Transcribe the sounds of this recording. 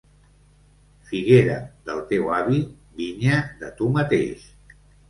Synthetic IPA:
fiɣeɾəðəlˠt̪ewaβi | βiɲəðət̪umət̪ḛʃ

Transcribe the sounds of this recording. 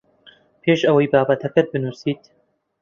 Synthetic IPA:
pʰeːʃʔɐwɐjbaːbɐt̪ʰɐkɐt̪̚bɨnuːsiːt̪

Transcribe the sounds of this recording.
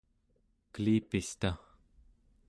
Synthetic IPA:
kəliːpist̪a

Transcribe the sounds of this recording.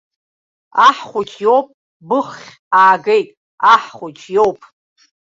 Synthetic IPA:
aħχʷʊt͡ʃʰʼjowpʼ | bɨχːʲ | aːɡejtʼ | aħχʷʊt͡ʃʰjowpʼ

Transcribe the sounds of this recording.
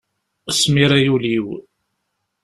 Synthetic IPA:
smiɾæjuliw

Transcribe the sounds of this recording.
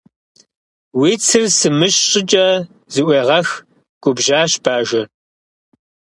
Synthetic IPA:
wiːt͡sʰɨrsɨmɨɕɕʼɪt͡ʃʼɐ | zɨʔʷeːʁɐx | ɡ̥ʷʊbʒaːɕb̥aːʒɐ

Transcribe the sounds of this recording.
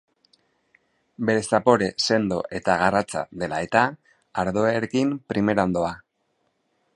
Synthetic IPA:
be̞ɾe̞sapo̞ɾe̞se̞nd̪o̞̰ʔe̞t̪aɣ̞arat͡sa̰ðe̞la̰e̞t̪a | aɾðo̞eɾekimpɾime̞ɾaond̪o̞a

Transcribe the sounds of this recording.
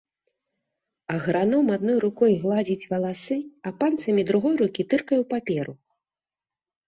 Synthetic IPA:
ɐɣɾanɔmad̪nɔjɾukɔjɣlˠad͡zʲit͡sʲvɐlˠasɨɐpant̪sɐmʲid̪ɾuɣɔjɾukʲit̪ɨrkɐjuwpapʲɛɾu

